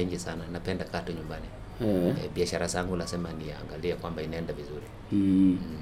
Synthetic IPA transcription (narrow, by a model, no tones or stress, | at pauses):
ɲd͡ʒisananapɛndakatuɲumbani | ɛɓiaʃaɾazaŋɡulasɛmaniaːŋɡaliakwambainaɛndavizuɾi